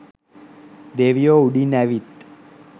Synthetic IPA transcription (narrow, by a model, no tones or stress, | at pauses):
d̪eʋijouɽinaʋit̪